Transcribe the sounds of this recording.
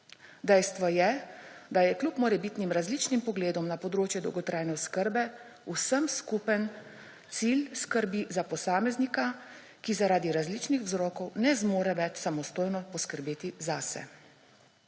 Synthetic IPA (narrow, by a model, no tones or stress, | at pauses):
d̪ɛjst̪ʋɔjɛd̪ajɛklupmɔɾɛbiːt̪nimɾazlit͡ʃnimpɔɡleːd̪ɔmnapɔd̪ɾoːt͡ʃjɛd̪ɔwɡɔt̪ɾaːjnɛɔskəɾbɛ | usəmskupən | t̪silskəɾbizapɔsaːmɛznika | kizaɾaːd̪iɾazlit͡ʃnixwzɾɔːkɔwnɛzmoːɾɛʋɛt͡ʃsamɔst̪oːjnɔpɔskəɾbeːt̪izasɛ̰